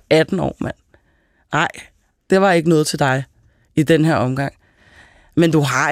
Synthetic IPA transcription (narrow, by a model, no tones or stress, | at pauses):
æd̥n̩ɒ̰ːmæn̰ː | ɑ̈ɪ̰ | d̥e̝ʋɑ̈e̝ɡ̥ənɔ̽ːð̞̩ˠt͡sʰe̝ld̥ɑ̈ɪ | id̥enɦeɐ̰ɒ̽mɡ̥ɑ̈ŋ̰ | mend̥uɦɑ̈